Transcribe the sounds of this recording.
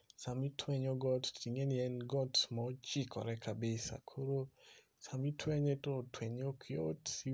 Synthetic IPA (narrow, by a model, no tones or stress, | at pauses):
samitwɛɲɔɡɔtːiŋeniɛnɡɔtmɔt͡ʃikʰɔ̰ɾɛkʰabɪsa̰kʰoɾo | samitʰwɛɲetotwɛɲokʰjo̰ti